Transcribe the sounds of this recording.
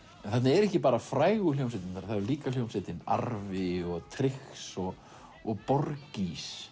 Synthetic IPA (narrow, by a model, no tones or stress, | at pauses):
ɛnθɛt̪nɪɛɾɛhcɪpaːɾafɾaːjɣʏl̥owms̬ɪt̪ɪnaɾθaðɛɾliːkal̥jowmsɪt̪ɪna̰ɾvɪɔɣt̪ʰɾɪxsɔɣ | ɔɣpɔɾcis